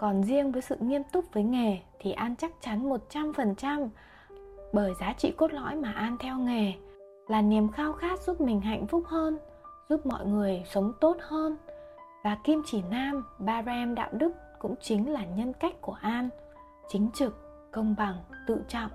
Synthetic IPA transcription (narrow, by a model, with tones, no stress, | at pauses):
kɔ˨˩nzi˧əŋvəː˨˦jsɨ̰˧˨ŋi˧əmt̪ʊ˦˥k͡p̚vəː˨˦jŋe˨˩t̪ʰi˨˩ʔaː˧nt͡ɕa˦˥k̚t͡ɕa˨˦nmo˨˩t̚t͡ɕa˧mfə˨˩nt͡ɕa˧m | ɓəː˧˩jzaː˨˦t͡ɕḭ˧˨ko˦˥t̚lɔ̰˧˥jmaː˨˩ʔaː˧nt̪ʰɛ˧wŋe˨˩ | laː˨˩ni˨˩əmxaː˧wxaː˦˥k̚zu˦˥p̚mï˨˩ŋ̟ɦa̰˧˨jŋ̟fʊ˦˥k͡p̚həː˧n | zu˦˥p̚mɔ̰˧˨jŋɨ˨˩əjsə˨˦wŋ͡mt̪o˦˥t̚həː˧nvaː˨˩ki˧mt͡ɕi˧˩naː˧mɓaː˧zɛ˧mɗa̰ː˧˨wɗɨ˦˥k̚kʊ̰˧˥ŋ͡mt͡ɕï˨˦ŋ̟laː˨˩ɲə˧nka˦˥jk̟̚ku˧˩əʔaː˧n | t͡ɕï˨˦ŋ̟t͡ɕɨ˨˩kː | ə˧wŋ͡mɓa˨˩ŋt̪ɨ̰˧˨t͡ɕɔ̰˧˨ŋ͡mʔ